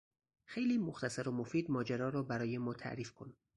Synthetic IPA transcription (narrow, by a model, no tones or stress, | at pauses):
xe̞jliːmoxt̪ʰæsæɾomofiːd̪mɒːd͡ʒeɾɒːɾɒːbæɾɒːje̞mɒːt̪ʰæ̰ʔɾiːfkʰo̞n